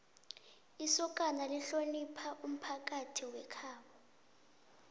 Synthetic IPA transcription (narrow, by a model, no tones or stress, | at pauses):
isɔkʼanaliɬonipʰaʔum̩pʰak̬ʼatʰiwɛkʰaːɓa